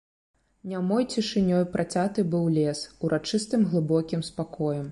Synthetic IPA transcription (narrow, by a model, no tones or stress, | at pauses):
nʲamɔjt͡sʲiʂɨnʲɔjpɾʔat͡sʲat̪ɨbɨwlʲɛsuɾʔat͡ʂɨst̪ɨmɣlˠɨbɔkʲimspakɔjɐm